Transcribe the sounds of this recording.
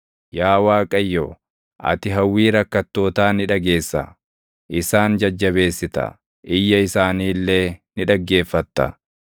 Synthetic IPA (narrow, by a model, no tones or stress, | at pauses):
jaːwaːkʼɐjːoː | ʔɐ̰t̪ɪɦɐwːiːɾɐkːɐt̪ːo̞ːt̪aːnɪᶑɐɡe̞ːsːɐ̰ | ʔɪsaːnd͡ʒɐd͡ʒːɐbe̞ːsːɪt̪ɐ̰ | ʔɪjːɐɪsaːniːlːeːnɪᶑɐɡːe̞ːfːɐt̪ːɐ̰